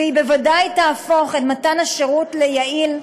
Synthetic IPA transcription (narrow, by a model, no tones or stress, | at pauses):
ibevadajtaːfo̞χetmatanaʃeʁutlejail